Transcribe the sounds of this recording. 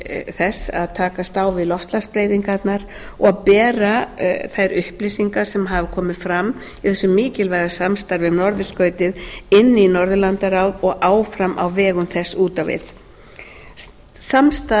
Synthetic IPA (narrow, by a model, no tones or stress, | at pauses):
θɛsa̰ðt̪ʰaːkast̪aːwvɪðlɔfst̪laspɾeːjðiŋkat̪naɾ | ɔɣaðpɛːɾaθajɾʏhplisiŋkasɛmɦaːvɪkʰɔːmɪðfɾamː | iθɛsːʏmːiːcɪlvɛɣɾasamst̪aɾvɪvnɔɾðʏ̥skœːɥt̪ɪðɪnːɪinɔɾðʏlant̪aɾawðɔɣʔaːwfɾamʔa̰wvɛːɣʏmθɛsːuːt̪avɪ̰ð | samst̪a